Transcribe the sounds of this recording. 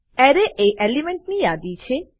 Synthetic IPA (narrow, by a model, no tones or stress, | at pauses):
ɛɾeʔeʔelimeɳʈ̚nijad̪it͡ʃʰe